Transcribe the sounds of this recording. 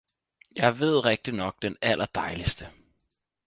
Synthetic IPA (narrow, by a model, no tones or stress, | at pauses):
jɑ̈ɪʋe̝ð̞̰ˠʁeɡ̥̚d̥inɒ̽ɡ̥̚d̥enælʔɐd̥ɑ̈ɪlisd̥ə